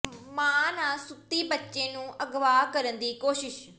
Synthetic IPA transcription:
mãːnaːsʊt̪ːiːbətːʃẽːnũːʔəɡʋaːkəɾənd̪iːkoːʃɪʃ

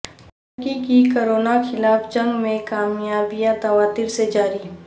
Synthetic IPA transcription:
t̪ | əkikikoːɾoːnaxʰɪlaːfd͡ʒə̃ŋɡmẽkaːmjaːbijat̪ɐwaːt̪iɾsed͡ʒaːɾiː

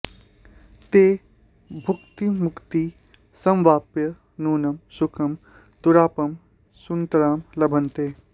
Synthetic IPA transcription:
t̪eː | bʱʊkt̪imʊkt̪i | sɐ̃mʋaːpjɐ | nuːnɐmsʊkʰɐm | t̪uɾaːpɐm | sunt̪ɐɾaːmlɐbʱɐnt̪eː

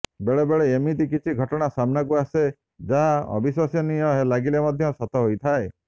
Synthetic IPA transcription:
beɭebeɭeemit̪ik̬it͡ʃʰiɡʱɔʈɔɽ̃asamnakuase | d͡ʒaɦaɔ̰biswasjɔnijɔɦelaɡilemɔd̪ʱjɔsɔt̪ɔɦojt̪ʰae

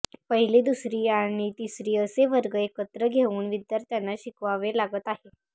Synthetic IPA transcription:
pəɦilid̪usɾiːaɽ̃it̪isɾiːəseʋəɾɡəekət̪ɾəɡʱeʋuːnʋid̪jaɾt̪janːaɕikʋaʋelaɡət̪aɦe

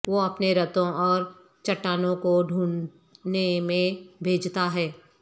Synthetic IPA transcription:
ʋoɐpneɾɐt̪õʔɔːɾ | t͡ʃɐʈːaːnõkoɖʱuːɳ | nemẽbʱeːd͡ʒʱt̪aɦɛː

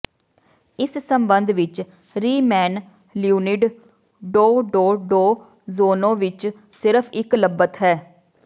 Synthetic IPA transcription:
ɪssəmbənd̪ʋɪt͡ʃ | ɾiːmɛːn | ljuːnɪɖ | ɖoːɖoːɖoː | zoːnõːʋɪt͡ʃ | sɪɾəpʰɪkləbət̪ɦɛː

